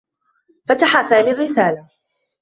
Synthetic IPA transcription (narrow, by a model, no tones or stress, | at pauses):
fat̪aħaθaːlɪrːɪsaːla